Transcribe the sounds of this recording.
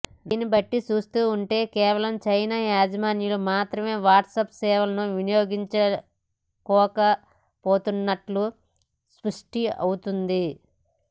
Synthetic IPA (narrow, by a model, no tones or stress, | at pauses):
d̪iːnibɐʈːit͡ʃuːst̪uːɳʈe̞ːkɛːʋɐlɐmt͡ʃɐjnaːjaːd͡ʒɐmaːnjulumaːt̪ɾɐme̞ːʋaːʈsɐpsɛːʋɐlɐnuʋinijoːɡiɲt͡ʃɐ | kɔːkɐ | poːt̪unːɐʈlu | spɐʂʈiɐ̰wut̪und̪i